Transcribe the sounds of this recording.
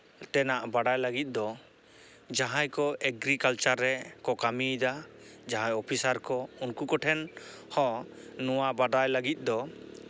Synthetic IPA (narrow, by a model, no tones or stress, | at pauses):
t̪ɛnaʔbaɖajlaɡit̪̚ˀd̪ɔ | d͡ʒaɦãjkɔʔɛɡɾikalt͡ʃaɾːɛkɔkamid̪ad͡ʒaɦãjɔpʰisaɾkɔunkukɔʈʰɛnhɔ̃nɔwabaɖajləɡit̪̚ˀd̪ɔ